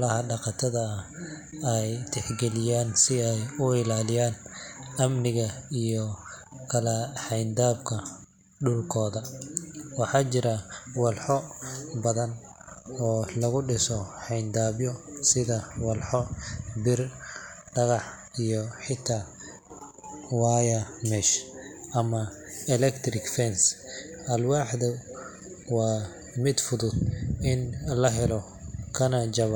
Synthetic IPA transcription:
lɐɦɐɖɑqɑt̪ʰɐðɐː | ɛjt̪ʰɛħɡɛlɪjaːnsɪɛjʊɪlaːlɪjaːnɐmnɪɣɐijɔ | kʰɐlɐħɑjnd̪aːbkʰɐ | ɖʊlkʰɔːðɐ | wɑħɑːt͡ʃɪɾɐwɑlħɔbɐðɐn | ɔːlɐɣʊɖɪsɔħɑjnd̪aːbjɔsɪðɐwɐlħɔbɪrɖɐɣɑħ | ijɔħɪt̪ʰːaː | waːjɐmɛʃʔɐmɐɛlɛkt̪ɾɪkfɛnsʔɐlwaːħðɐ | waː | mɪd̪fʊðʊd̪ɪnlɐɦɛlɔ | kʰɐnɐd͡ʒɐβɔ

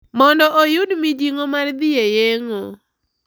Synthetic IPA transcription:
mɔndɔʔojʊdmid͡ʒiŋomard̪ɪejeŋo

